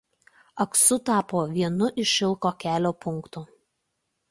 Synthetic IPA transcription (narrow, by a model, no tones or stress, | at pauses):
ɐksʊt̪ɑːpoːʋʲiɛnʊʔɪʃɪlˠkoːkʲæːlʲoːpʊŋˑkt̪uː